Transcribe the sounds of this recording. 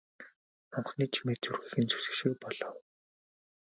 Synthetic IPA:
mɔɴχniːt͡ɕʰimeːt͡surɣiːxɘ̆nt͡sʰɵ̥sɘ̥̆ʃiːpɔɮ̥ɔw

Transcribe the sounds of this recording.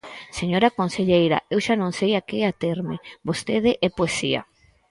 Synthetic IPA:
seɲoɾakonseʎejɾa̰ewʃanõŋsejakeat̪eɾmebost̪eðeʔɛpoesia̰

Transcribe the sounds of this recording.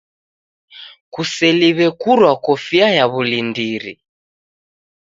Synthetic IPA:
kusɛliβɛkuɾwakɔfiajaβulindiɾḭ

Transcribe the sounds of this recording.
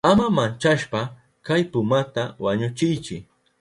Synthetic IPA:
amamant͡ʃaʃpa | kajpʊmat̪awaɲʊt͡ʃɪjt͡ʃɪ

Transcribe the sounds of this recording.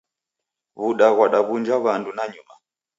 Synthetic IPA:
βuɗaɣwaɗaβund͡ʒaβandunaɲuma

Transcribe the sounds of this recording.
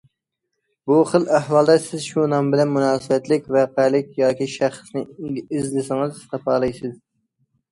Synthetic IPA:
buχəlˠæhwɑlˠd̪ɛsɪzʃunɑmbɪlɛnmunɑːsɨwɛt̪lɪkʲvæqælɪkʲjɑːkʲiʃæχsnɪɪzlɪsɪŋɨzt̪ʰɑpʰɑːlˠɨjsɪz

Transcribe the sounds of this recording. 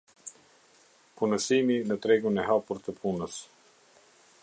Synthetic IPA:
punəsiminət̪ɾɛɡunɛhapuɾt̪əpʰunəs

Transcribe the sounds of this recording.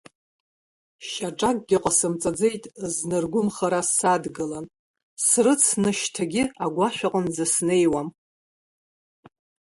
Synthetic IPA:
ʃaʈ͡ʂʼakʼɡʲɪqʼasɨmt͡sʼad͡ze̞jtʼznɨrɡʷʊmχaɾasadɡɨlan | srɨt͡sʰnɨʃtʰaɡʲɪaɡʷaʃᶣaqʼənzasne̞jwam

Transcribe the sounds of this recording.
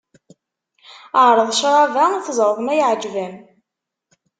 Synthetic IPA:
əʕɾˤəðˤʃɾˤɑvæθzˤəɾˤðˤmæjʕd͡ʒvæm

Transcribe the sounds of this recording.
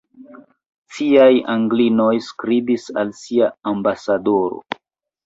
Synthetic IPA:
siajaŋɡlino̞jskɾibisalsiaːmbasadoɾo̞̰

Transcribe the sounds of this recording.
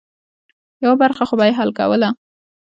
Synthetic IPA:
jawabaɾxaxobajeɦalka̰wəla

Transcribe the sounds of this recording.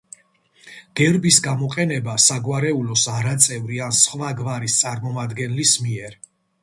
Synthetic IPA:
ɡ̥ɛɾbisɡamɔqʼɛnɛbasaɡwaɾɛulɔsaɾat̪sʼɛvɾiansχvaɡvaɾist̪sʼaɾmɔmad̪ɡɛnlismiɛɾ

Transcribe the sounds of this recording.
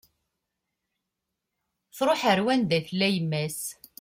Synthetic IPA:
θɾˤoħəɾwænd̪æθlːæjəmːæs

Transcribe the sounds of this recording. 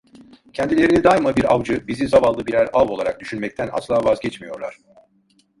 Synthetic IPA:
cʰɛnd̪ilʲe̞ɾinid̪ajmabiɾa̰vd͡ʒɯbizizavalˠːɯbiɾæɾavo̞lˠaɾa̰k̚d̪yʃynmɛc̚t̪ʰæna̰slˠaːvazɟɛt͡ʃmijo̞ɾlˠa̰ɾ̝̥

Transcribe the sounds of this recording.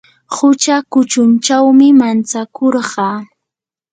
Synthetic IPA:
hʊt͡ʃakʊt͡ʃʊnt͡ʃawmɪmant͡sakoɾɢɑː

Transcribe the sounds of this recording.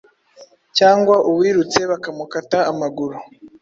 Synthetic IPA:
caːŋɡwaʔuwiːɾut͡se̞βakamukataːmaɡuɾu

